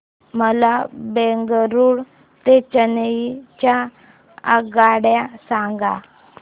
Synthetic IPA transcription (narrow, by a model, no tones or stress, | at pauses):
məlabeŋɡəɾuːɽ | t̪et͡ɕənət͡ɕa | aɡaɽjasãŋɡa